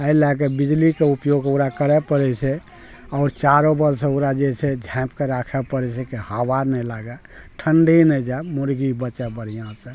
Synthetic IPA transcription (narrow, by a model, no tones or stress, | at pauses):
əilakebid͡ʒlikeupjoɡoɾakəɾɛpəɾɛt͡ʃʰɛ | ɔʊɾt͡ʃaɾobəlsẽoɾad͡ʒet͡ʃʰɛd͡ʒʱɛ̃pkeɾakʰɛpəɾɛt͡ʃʰɛkihabaɾnɛlaɡɛ | ʈʰəɳɖinɛd͡ʒaemuɾɡibət͡ʃɛbəɽ̤ijãsə̃